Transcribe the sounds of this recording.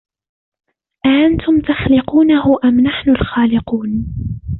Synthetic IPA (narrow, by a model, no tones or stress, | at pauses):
ʔaʔant̪ʊmt̪axlɪquːnahʊʔamnaħnʊlxaːlɪquːn